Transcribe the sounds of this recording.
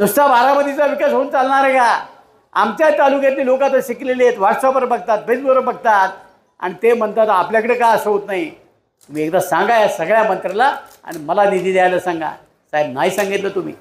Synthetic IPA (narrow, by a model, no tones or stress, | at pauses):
d̪ust̪abʱaɾaməd̪it͡saʋikasɦouːnt͡salɳ̃aɾeka | amt͡ɕjait̪alukjat̪niːlokat̪əɕikleleet̪ʋaʈsabəɾbəɡ̚t̪at̪̚bed͡zbəɾəbəɡ̚t̪at̪̚ | a̰ɽ̃it̪em̤əɳt̪at̪apljakəɽekaəsowt̪naɦi | t̪um̤iːekd̪asãŋɡajasəɡɭjamənt̪ɾalaa̰ɽ̃iməlanid̪ʱiːd̪jajləsãŋɡa̰ | sajb̚naɦisãŋɡit̪lət̪um̤ḭː